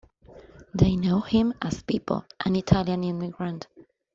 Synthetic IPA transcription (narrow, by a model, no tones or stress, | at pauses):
ðeɪnoʊhɪ̃mʔəz̥piˑpʰə̰lˠʔə̰̃nɪtʰaljə̃nɪ̃nðəɡɹãnd̥